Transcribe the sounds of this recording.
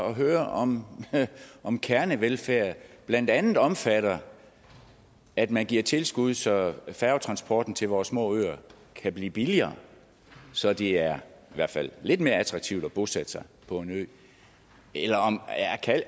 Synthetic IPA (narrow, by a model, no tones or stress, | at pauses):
ɒɦøːɐɒ̽m | ʔɒ̽mkʰæɐnəʋelfæɐ̰ðb̥læn̰d̥ænð̩ˠɒ̽mfæɾ̥ɐ | æd̥mænɡ̥iɐt͡sʰe̝lsɡ̥uð̞ˠsɒ̽fæʊt͡sʰʁɑ̈nsb̥ʰɒːd̥n̩t͡sʰe̝lʋɒːsmɔ̰̽ːø̰ːɐ | kʰæb̥lḭːb̥iliɐː | sɒ̽d̥eæɐiʋæɐ̰fæl̰ːe̝d̥me̝ːɐæt͡sʰʁɑ̈ɡ̥̚t͡sʰiʊd̥ɒb̥o̝sæd̥sɑ̈ɪpʰɒ̽e̝nøð | ʔelɐɒ̽mækʰæl